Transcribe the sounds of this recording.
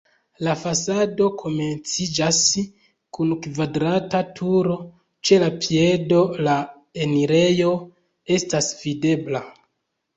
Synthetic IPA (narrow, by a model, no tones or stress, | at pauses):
lafasado̞kʰo̞me̞nt͡sid͡ʒas | kunkvadɾatatʰuɾo̞ | t͡ʃe̞lapie̞do̞la | e̞niɾe̞jo̞ | e̞stasvide̞bla